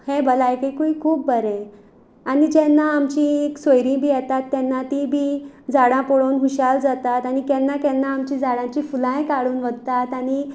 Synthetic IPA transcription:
hebəlajkekuikʰuːp̚bəɾɛ̃ | anid͡ʑɛnːaːmt͡ɕĩeksojɾĩbʱiːjɛt̪at̪ːɛnːat̪ibʱiːd͡zaɽãpɔɽonɦuɕald͡zat̪at̪anikɛ̃nːakɛnːaːmt͡ɕĩd͡zaɽãt͡ɕifulãjkaɽuːnʋəd̪̚t̪at̪aɽ̃i

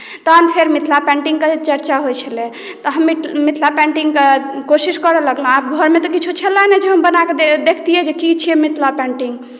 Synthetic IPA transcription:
t̪ənpʰeɾmit̪ʰlapɛ̃ɳʈiŋɡket͡ʃəɾt͡ʃaɦojt͡ʃʰəlɛ | t̪ɔɦəmːimit̪ʰlapɛ̃ɳʈiŋɡkekosiskəɾɛləɡləɦap̚ɡʱəɾmet̪ɔkit͡ʃʰut͡ʃʰəlanɛd͡ʒeɦəmbənakeed̪ekʰt̪iɛd͡ʒekit͡ʃʰiɛmit̪ʰlapɛ̃ɳʈiŋɡ

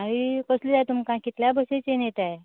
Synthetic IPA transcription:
aɾikəslid͡zajt̪umkãkit̪ljabəset͡senjet̪ae

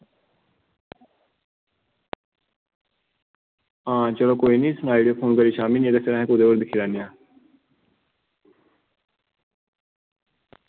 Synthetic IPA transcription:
ãːt͡ʃəlõːkoːiːnĩːsʊnaːiɖijoːpʰoːnkəɾiːʃaːminieːt̪eseɾãɦẽːkʊd̪eːʋəɾd̪ɪkʰːiːlaːnijãː

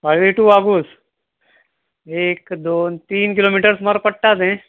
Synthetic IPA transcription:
paɭʋiʈuːaɡuːs | eːkd̪oːnt̪iːnkilomiʈəɾsmaɾpəɽʈat̪ẽ

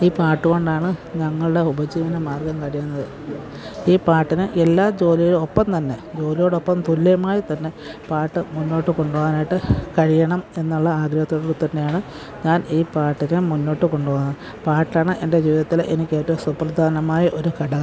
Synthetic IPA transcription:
iːpaːʈːɨɣo̞ɳɖaːɳɨɲɐŋːɐɭuɽe̞ubɐd͡ʑiːʋɐnɐmaːrɡɐmkɐɻijunːɐðɨ | iːpaːʈːinɨʔelːaːd͡ʑo̞ːliɣɐɭopːɐmt̪ɐnːe̞d͡ʑo̞ːlijo̞ːɽo̞pːɐmt̪ulːɐjɐmaːjit̪ɐnːe̞ | paːʈːɨmunːo̞ːʈːɨko̞ɳɖuʋoːnaːjʈːɨkɐɻijɐɳɐme̞nːuɭːɐaːɡɾɐhɐt̪ːoːɽerut̪ːɐnːejaːɳɨ | ɲaːniːpaːʈːinɨmunːo̞ːʈːɨko̞ɳɖuʋoːnːɐ | paːʈːaːɳɨʔe̞nde̞d͡ʑiːʋiðɐt̪ːilʔenikʲːe̞ːtːɐʋomsuprɐd̪ʱaːnɐmaːjɐʔo̞ɾukɐɽɐ

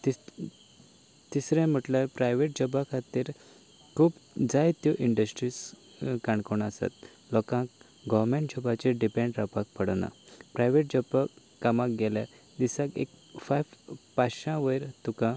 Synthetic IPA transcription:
t̪i | t̪isɾɛ̃m̤əʈlaɾpɾajʋeʈ̚d͡ʑəbakʰat̪iːɾ | kʰuːpd͡zajt̪joʔiɳɖəsʈɾis | kaɳkɔɳasa̰t̪̚ | lɔkãk | ɡɔʋmẽɳʈ̚d͡ʑəbat͡ɕeɖipẽɳɖɾapak̚pʰəɽna̰pɾajʋeʈ̚d͡ʑəba | kːamãk̚ɡɛlja | d̪isãkḛk̚fajʋpaɕãʋəjɾt̪ukã

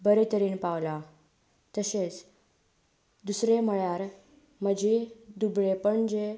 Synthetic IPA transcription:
bəɾet̪əɾiːnpawla | t̪əset͡s | d̪usɾeməɭjaɾ | məd͡ʑid̪ubɭepəɳd͡ze

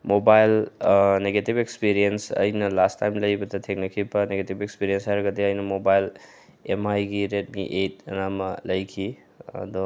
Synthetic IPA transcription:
mobajlneɡetipekspiɾiensɐ̰jnɐlastːajmlɐjbɐdɐtʰek̚nɐkʰibɐneɡetibekspiɾienshajɾɐɡɐdiɐjnɐmobajl | emajɡiɾet̚miʔet̚ɐ̰namɐlɐjkʰi | ɐ̰d̪u

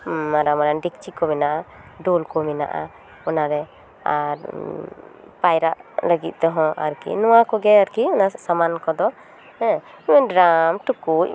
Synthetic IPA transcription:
aɾamaɾɛnɖikt͡ʃikɔmɛnaʔa | ɖolkɔmɛna̰ʔa̰ | ɔnaɾɛ | aɾ | pajɾaʔləɡit̪̚ˀt̪ɔɦɔ̃ʔa̰ɾkḭnɔwakɔɡɛaɾkiɔnasamankɔd̪ɔ | ɛ̃ | imɛnɖɾamʈukuc̚

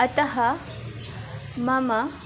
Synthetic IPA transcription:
ɐt̪ɐɦɐ | mɐmɐ

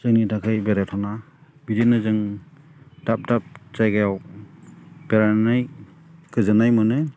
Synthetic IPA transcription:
zɯŋnitakʰɯjbeɾatʰana | bidenɯzɯŋ | d̥ap̚dap̚zajɡajaw | b̥eɾanaj | kɯzɯnajmɯnɯ

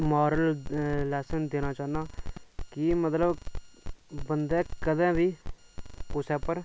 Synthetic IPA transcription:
maːɾəlːɛːsənd̪eːnaːt͡ʃaːnaːkɪmət̪ləb | bənd̪ɛːkəd̪ɛ̃ːʋiː | kʊsɛːpəɾ

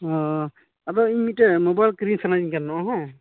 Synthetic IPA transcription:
ɔ | atɔimitɛmɔbajlkɾinsanazinkanːɔʔɔɦɔ̃

